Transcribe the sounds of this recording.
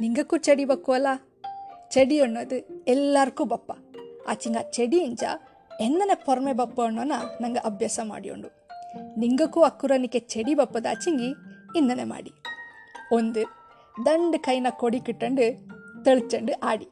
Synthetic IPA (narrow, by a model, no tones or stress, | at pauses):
niŋɡɐkːut͡ʃeɽibɐkːuʋɐla | t͡ʃeɽijoɳːɐd̪uɛlːaːɾkːubɐpːɐa̰ːt͡ʃiŋɡat͡ʃeɽijiɲt͡ʃɐ̰ | end̪ɐnepɔɾɐmebɐpːɐɐɳːoːnɐnɐŋɡɐʔɐbʱjaːsɐma̰ːɽijo̰ɳɖu | niŋɡɐkːuɐkːuɾɐnikːet͡ʃeɽibɐpːɐd̪a̰ːt͡ʃiŋɡiːnːɐnema̰ːɽi | ond̪u | d̪ɐɳɖɨkɐjnɐkoɽikiʈːɐɳɖut̪eɭit͡ʃːɐɳɖuʔaːɽi